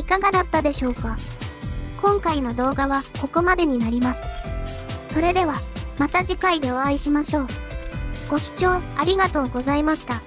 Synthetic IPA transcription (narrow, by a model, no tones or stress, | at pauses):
ikaɡad̪at̪ːad̪e̞ɕo̞ːka | kõ̞ŋkaino̞d̪o̞ːɡaβako̞ko̞mad̪e̞ɲ̟inaɾʲimasɨ̥ | so̞ɾe̞d̪e̞β̞amat̪aʑikaid̪e̞o̞aiɕimaɕo̞ː | ɡ̥o̞ɕi̥t͡ɕo̞ːaɾʲiɡat̪o̞ːɡo̞zaimaɕi̥t̪a